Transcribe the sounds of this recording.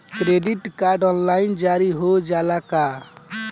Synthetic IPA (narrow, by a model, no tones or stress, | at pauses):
kɾeɖiʈkaɾɖɔnlaind͡ʒaɾiɦod͡ʒalaka